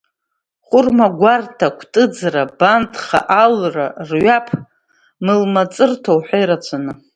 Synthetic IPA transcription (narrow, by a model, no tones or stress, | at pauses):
χʷʊrmaɡʷartʰakʷʰtʼɨd͡zrabantʰʼχa̰ʔalra̰rɥapʰ | mɨlmat͡sʼɨrtʰowħʷᶣejɾat͡ʃʷʰanɨ